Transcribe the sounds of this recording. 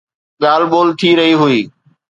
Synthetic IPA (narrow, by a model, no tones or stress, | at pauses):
ɠaːlɓoːlt̪ʰiːɾəɦiːɦʊiː